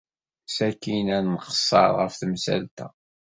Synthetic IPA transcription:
sækːinænːχə̥sˤːɑ̰ɾˤʁə̰fθəmsæ̰lt̪æ̰

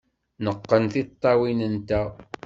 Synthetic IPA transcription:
nəqːənθit̪ˤːɑwinənt̪æ

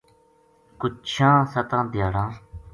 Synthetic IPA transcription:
kʊt͡ʃʰãːsət̪ãːd̪jaːɽãː

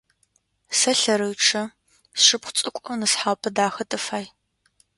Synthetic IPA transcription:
sɐɬɐɾɨɥʈ͡ʂʰɐ | sʂɨpχʷt͡sʼɨkʷʼɔwnɨsħaːwpʰɐdaːxɐtʼɨfaːj

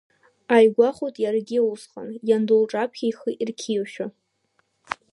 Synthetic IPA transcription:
ajɡʷaχutʼjarɡʲɪusχa̰njandulʈ͡ʂʼapʰχʲajχəʔirkʲʰiwʃᶣa

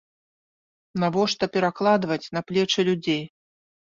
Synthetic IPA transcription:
navɔʂt̪ɐpʲɛɾaklˠad̪vɐt͡sʲnɐplʲɛt͡ʂɨlʲud͡zʲej

